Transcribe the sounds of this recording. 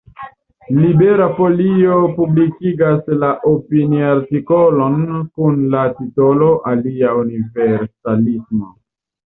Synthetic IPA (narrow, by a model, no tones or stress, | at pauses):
libeɾapo̞liopublikiɡaslaʔopiniaɾtikolo̞nkunlatito̞lo̞ʔaliauniveɾsalismo̞